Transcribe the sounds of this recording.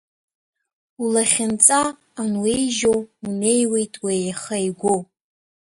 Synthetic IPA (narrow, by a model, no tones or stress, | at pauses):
ulaχʲɪnt͡sʼaː | nwe̞jʒowune̞jwe̞jtʼwejχajɡʷow